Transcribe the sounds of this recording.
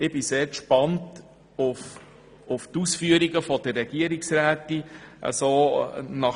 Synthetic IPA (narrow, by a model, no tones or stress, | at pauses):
ɪb̥ɪseːɾkʃpɑnt | ʊf | ʊftusfyəɾiɡəfɔd̥ərːɛɡ̥iəɾiksɾæːtːiʔə̰sonɑ